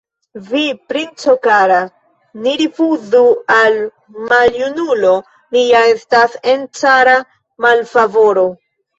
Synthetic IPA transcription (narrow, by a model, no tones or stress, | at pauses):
vipɾint͡sokaɾa | niɾifuzual | maljunulo̞ | lijaestasent͡ʃaɾa | malfavo̞ɾo̞